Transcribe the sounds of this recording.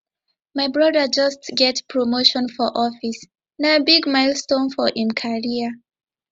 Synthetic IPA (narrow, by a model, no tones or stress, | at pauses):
maɪbɹɔdəd͡ʒʌstɡɛtpʰɹomoʃɔ̃nfɔʔɔfis | nabiɡmaɪlstõnfɔʔĩmkʰaɹiə